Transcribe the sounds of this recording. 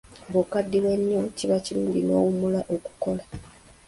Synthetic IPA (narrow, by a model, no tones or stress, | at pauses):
bokadːiwe̞ɲːo̞ciβaciluːɲɟinoːwumulaʔoku̥ko̞la